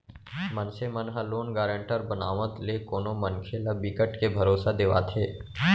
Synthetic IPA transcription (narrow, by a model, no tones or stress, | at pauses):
mənsemənɦəloːnɡaːɾə̃ɳʈəɾbənaːʋət̪lekoːnomənkʰelabikəʈkebʱɐɾoːsad̪eːʋa̰ːt̪ʰeː